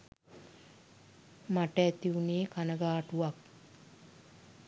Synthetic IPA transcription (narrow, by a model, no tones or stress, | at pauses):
maʈəæt̪iuneːkanəɡaːʈuʋak̚